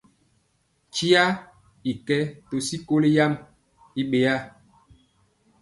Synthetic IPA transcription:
t͡ʃi˦a˦ | i˨kɛ˦to˨si˦ko˦le˦ja˦m | i˦ɓe˨a˦

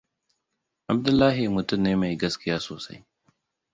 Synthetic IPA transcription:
ʔa˨b̚dʊ˦lːa˦ɦɪ˨mʊ˨tʊ˦nːeː˦ma˨jɡɐ˦skɪ˦jaː˦soː˨sa̰˦j

